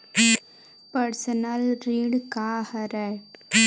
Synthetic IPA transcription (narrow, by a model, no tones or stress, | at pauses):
pɐɾsɐnɐlɾiːɽkaːhɐɾɛ